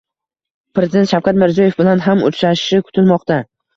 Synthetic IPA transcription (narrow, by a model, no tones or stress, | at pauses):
pɾezɪd̪e̞nʃawkʰʲat̪mɪɾzijɒje̞fbɪlanɦamʊ̰t͡ʃɾaʃɪʃɪkʰʊ̥t̪ʰɪlmɒqt̪a